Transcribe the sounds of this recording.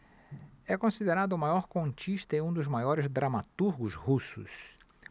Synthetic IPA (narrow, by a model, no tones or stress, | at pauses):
ɛkõsid̪eɾad̪ʊmajɔɾkõnt͡ʃiʃt̪ɐẽũd̪ʊzmajɔɾɪzd̪ɾamat̪uɾɡʊzhusʊ̰s